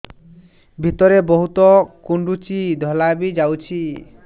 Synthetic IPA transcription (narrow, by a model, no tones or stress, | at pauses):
bʱit̪ɔɾebɔɦut̪ɔkuɳɖut͡ʃid̪ʱɔlabid͡ʒawt͡ʃʰi